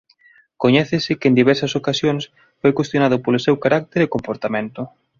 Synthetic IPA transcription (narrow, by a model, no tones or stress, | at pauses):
koɲɛθɪsɪkend̪iβɛɾsɐsokasjoŋs | fojkwest̪jonaðʊpolʊsewkaɾak̚t̪eɾɪkompoɾt̪amẽnt̪ʊ